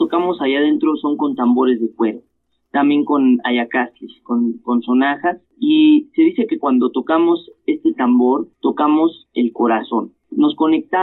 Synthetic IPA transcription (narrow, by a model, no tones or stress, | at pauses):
t̪okamo̞saʝað̞e̞nt̪ɾo̞so̞ŋko̞nt̪ambo̞ɾe̞zðe̞kwe̞ɾo | t̪ambjeŋko̞naʝakasiskonko̞nso̞naxas | ise̞ðise̞ke̞kwand̪o̞t̪o̞kamo̞se̞st̪e̞t̪ambo̞ɾt̪o̞kamo̞se̞lko̞ɾaso̞nː | o̞sko̞ne̞k̚t̪a